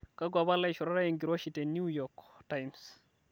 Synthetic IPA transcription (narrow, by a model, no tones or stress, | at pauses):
kaɡʷaβalaiʃɔɾaɾajeŋɡiɾoʃitenujɔktajms